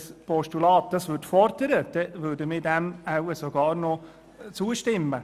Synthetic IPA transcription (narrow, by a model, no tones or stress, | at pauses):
spɔʃtulɑːt̚d̥ɑsʋʏtfɔɾd̥əɾəd̥ɛʋøːɾdəmɪdɛmawəsoɡɑːɾnɔ | t͡suəʃtɪmːə